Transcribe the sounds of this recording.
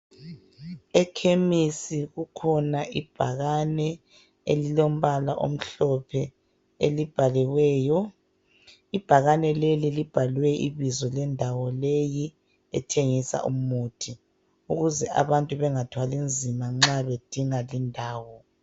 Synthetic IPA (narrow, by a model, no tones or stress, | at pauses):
ɛkʰemisiɣukʰɔnaʔib̥ʱaɣanɛ | ḛlilom̩βalaʔo̰m̩ɬɔpʰɛ | ḛlib̥ʱaliɣwɛːjɔ | ib̥ʱaɣanɛlelilib̥ʱalwɛʔiβizɔlɛndʱawɔleji | ɛ̰tʰeŋisa̰ʔṵm̩muːtʰi | uɣuzɛʔa̰βantʼuβɛŋatʰwalind͡zʱimaŋ͡ǁaβed̥ʱiŋalindʱaːwɔ